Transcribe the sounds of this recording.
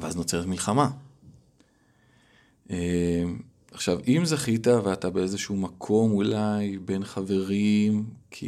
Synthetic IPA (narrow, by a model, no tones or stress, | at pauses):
veazno̞t͡se̞etmilχama | ʔem | aχʃavimzaχitaveatabe̞e̞zeʃuuːmakʰo̞mulajbe̞nχave̞ʁimkʰḭ